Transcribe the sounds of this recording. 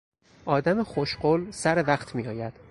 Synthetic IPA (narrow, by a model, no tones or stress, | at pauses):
ʔɒːd̪æmexoʃɢolsæɾevæxt̪ʰmiːɒːjæd̪̥